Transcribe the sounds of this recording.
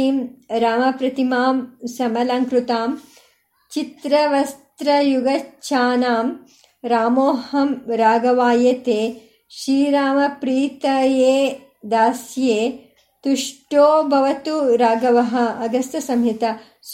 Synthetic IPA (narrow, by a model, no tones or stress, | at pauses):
iːmɾaːmɐpɾɐt̪imaːmsɐmɐlaŋkɾut̪aːm | t͡ʃit̪ɾɐʋɐst̪ɾɐjuɡɐt͡ʃʰaːnaːm | ɾaːmoːhɐmɾaːɡɐʋaːjɐt̪eː | ʃɾiːɾaːmɐpɾiːt̪ɐjeː | d̪aːsjeː | t̪uʂʈoːbʱɐʋɐt̪uɾaːɡɐʋɐɦɐ̆ɐɡɐst̪ɐsɐmjit̪ɐ | s